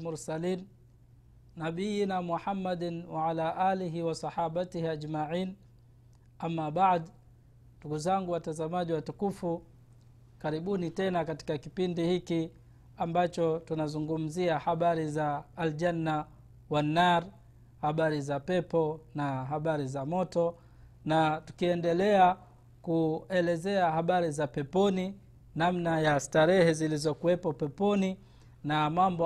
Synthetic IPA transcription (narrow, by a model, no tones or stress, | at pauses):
muɾsaliːn | naɓijinamuħamːadnwaʕalaːʔaːliɦiwasɑħaɓatihiad͡ʒmaʕiːn | ʔamːaɓaʕd | nduɡuzaŋɡuwatazamaʄiwatukufu | kaɾiɓunitɛnakati̥kakipindihiki | ambat͡ʃɔtunazuŋɡum̩ziahaɓaɾizaːld͡ʒanːa | wanːaɾ | haɓaɾizapɛpɔnaɦaɓaɾizamɔtɔ | natu̥kiɛndɛlɛa | kuɛlɛzɛahaɓaɾizapɛpɔni | namnajastaɾɛhɛzilizɔkuwɛpɔpɛpɔni | namambɔ